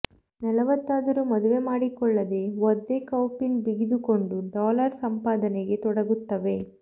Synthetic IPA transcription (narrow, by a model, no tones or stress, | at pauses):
nɐlɐʋɐt̪ːaːd̪ɐɾumɐd̪uʋe̞maːɽikɔɭːɐd̪e̞ʋod̪ːekɐwpinbiɡid̪ukoɳɖuɖaːlɐɾsɐmpaːd̪ɐneɡe̞t̪ɔɽɐɡut̪ːɐʋe̞